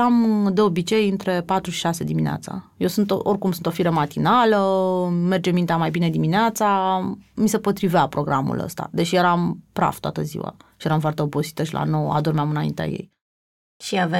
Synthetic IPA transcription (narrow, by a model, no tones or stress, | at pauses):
amd̪e̞o̞bit͡ʃe̞jɨnt̪ɾe̞pat̪ɾuʃi̥ʃase̞d̪iminea̰t̪sa̰jewsunt̪oʔo̞rʲkumsunt̪o̞fiɾəmat̪inaləme̞rd͡ʒemint̪eamajbine̞d̪imineat̪samise̞po̞t̪ɾiveapɾo̞ɡɾamṵlə̰st̪a̰d̪e̞t͡ʃjeɾampɾa̰v̥t̪oa̰t̪əzḭwa̰ʃijeɾamfoart̪e̞o̞bo̞si̥t̪əʃilʔa̰no̞wa̰d̪ormeamɨnaḭnt̪ea̰jḛj | ʃiave